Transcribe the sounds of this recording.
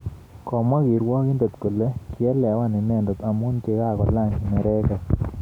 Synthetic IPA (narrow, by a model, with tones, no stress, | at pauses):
kɔ˨ma˦ɡi˨ɾwɔ˦kɪ˦ndo˨t̪ko˨le˦kjɛ˦lɛ˨wa˦nɪ˨nɛ˦˨ndo˨t̪a˨mu˦nte˦ka˦˨kɔ˨la˦˨ŋi˨mɛ˨ɾɛ˦kɔ˨